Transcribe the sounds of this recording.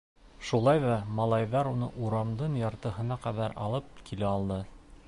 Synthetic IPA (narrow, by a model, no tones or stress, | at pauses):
ʃulˠɑjðɑmɑlˠɑjðɑɾunɤ̰ʔuɾɑmd̪ɤnjɑɾt̪ɤ̆ɦɤ̆nɑqæðæɾɑ̰lˠɤp̚kilɘɑlˠd̪ɤ